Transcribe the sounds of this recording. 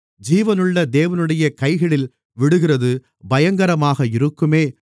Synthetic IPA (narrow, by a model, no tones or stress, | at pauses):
d͡ʒiːʋɐnɯɭːɐd̪eːʋɐnɯɽɐjɐkɐɪɣɐɭɪl | ʋɪɽɯɣɪrɐðɯ | bɐjɐŋɡɐɾɐmaːɣɐɪɾɯkːɯmeː